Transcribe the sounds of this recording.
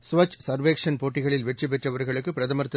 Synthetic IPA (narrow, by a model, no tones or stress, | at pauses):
sʊʋɐt͡ʃsɐɾʋeːkʂɐnpoːʈːɪɣɐɭɪlʋɛʈrɯp̬ɛʈrɐʋɐɾɣɐɭɯkːɯpɪɾɐðɐmɐɾt̪ːɯ